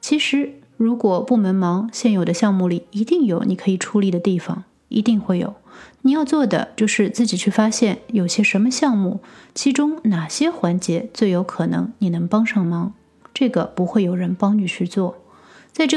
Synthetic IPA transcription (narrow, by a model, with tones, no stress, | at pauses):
t͡ɕʰi˧˥ʂɻ̩˧˥ | ɻu˧˥kwɔ˨˩pu˥˩mə˧˥nmɑ˧˥ŋɕjɛ˥˩njo˨˩ʊd̪ə˦ɕjɑ˥˧ŋmu˥˩li˨˩i˧˥t̪i˥˩ŋjo˨˧˥ʊni˨˩kʰɤ˧˥i˨˩ʈ͡ʂʰu˧˥li˨˧˩d̪ə˩t̪i˥˩fɑ̰˨˩ŋ | ḭ˧˥t̪i˥˧ŋxwe˥˩ɪjo̰˨˩˦ʊni˨˩jɑ˥˧ʊt͡swɔ˥˩d̪ə̰˩t͡ɕjo˥˧ʊʂɻ̩˥˧t͡sɹ̩˥˩t͡ɕi˨˩t͡ɕʰy˥˩fa˥ɕjɛ˥˩njo˨˩ʊɕjɛ˥ʂə˧˥nmə˧ɕjɑ˥˧ŋmu˥˩t͡ɕʰi˧˥ʈ͡ʂʊ˥ŋna˨˩ɕjɛ˥xwa˧˥nt͡ɕjɛ˧˥t͡swe˥˩ɪjo˧˥ʊkʰɤ˨˩nɤ̰˧˥ŋni˨˩nɤ˧˥ŋpɑ˥ŋʂɑ˥˩ŋmɑ˧˥ŋ | ʈ͡ʂɤ˥˩ɡə˩pu˧˥xwe˥˩ɪjo˨˩ʊɻə˧˥npɑ˥ŋny˥˩t͡ɕʰy˥˧t͡swɔ˥˩ | t͡sa˥˧ɪʈ͡ʂɤ˥˩